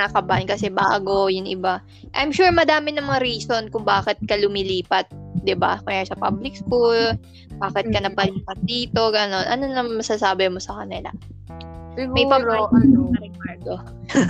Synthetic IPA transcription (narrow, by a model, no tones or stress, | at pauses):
nakɐbankɐsɛba̰ːɡo̞jʊŋʔɪba | ʔɐjmʃuɹmɐd̪aːmɪnɐmɐŋaɾiːso̞nkʊŋbaːkɪt̪̚kɐlʊmɪliːpɐt̪̚d̪ɪba̰kʊŋjaːsɐpa̰blɪk̚skul | baːkɪt̪̚kɐnɐpɐliːpɐt̪̚d̪iːt̪o̞ɡɐno̞nʔɐnonɐŋmɐsasaːbɪmo̞sɐkɐnɪla̰ | mɐjpɐboʔɐnɐnɐɾɛkaɹd̪o